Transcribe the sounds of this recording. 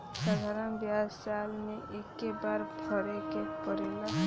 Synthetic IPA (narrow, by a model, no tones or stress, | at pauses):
sad̪ʱaɾəmbjad͡ʒsalmeekːebaɾbʰʱɔɾekepɔɾela